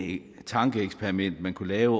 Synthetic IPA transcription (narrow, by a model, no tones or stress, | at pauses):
t͡sʰɑ̈ŋɡ̥əeɡ̥spʰeɐʁimen̰d̥mænkʰulɛːʊ